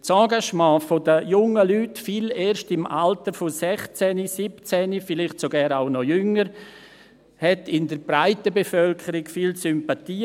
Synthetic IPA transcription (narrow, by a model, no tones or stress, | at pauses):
t͡sɑ̃ːɡaʃmɑ̃ːfodəjʊŋəlyːtfiːleːɾʃtɪma̰ltəɾfosɛχt͡sɛnisipt͡sɛnifɪlɪχtsoɡɛːɐɾaʊnɔjʏŋəɾ | hɛtɪndəɾbɾaɪtəbefœlkʰəɾɪɡfiːlsʏmpatiː